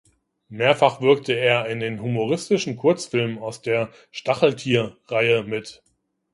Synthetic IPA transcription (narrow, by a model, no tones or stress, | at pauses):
meːɐfaχv̥ɪɐk̚təeːɐɪndeːnɦumoʁɪstɪʃn̩kʰʊɐt͡sfɪlmənaʊsd̥eːɐ | ʃtaχl̩tʰiːɐʁaɪəmɪt